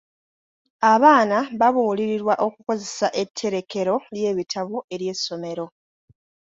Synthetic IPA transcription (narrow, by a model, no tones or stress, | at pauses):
aβaːnaβaβuːliɾiɾwaʔo̞kuko̞ze̞saʔe̞tʰːe̞ɾe̞ke̞ɾo̞lje̞ːβitʰaβoe̞ɾje̞ːsːo̞me̞ɾo̞